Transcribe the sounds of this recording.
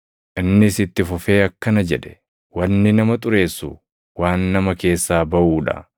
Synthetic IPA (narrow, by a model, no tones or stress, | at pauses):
ʔɪnːɪːsɪt̪ːɪfʊfe̞ːɐkːɐnɐd͡ʒɛᶑɛ̥ | wɐnːɪnɐmɐt̪ʼʊɾe̞ːsːʊ̰ | waːnːɐmɐke̞ːsːaːbɐʔuːᶑɐ̰